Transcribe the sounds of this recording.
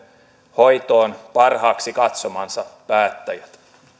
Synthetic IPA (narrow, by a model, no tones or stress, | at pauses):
hojt̪oːnpɑrhɑːksikɑt̪somɑnsɑpæːt̪ːæjæt̪